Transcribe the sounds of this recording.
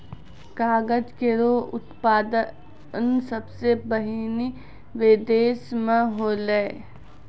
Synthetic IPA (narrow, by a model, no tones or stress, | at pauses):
kaːɡəd͡ʒkeɾoːʊ̰t̪paːd̪ə | nsɐbsebəɦini | ʋed̪eːsmãɦoːləe